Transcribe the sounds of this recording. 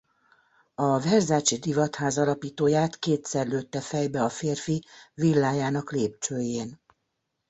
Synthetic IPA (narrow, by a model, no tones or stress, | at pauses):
ɒvɛrzaːt͡ʃid̪ivɒt̪haːzɒlɒpiːt̪oːjaːt̪keːt̪sɛrløːt̪ːɛfɛjbɛɒfeːrfivilːaːjaːnɒkleːp̚t͡ʃøːjeːn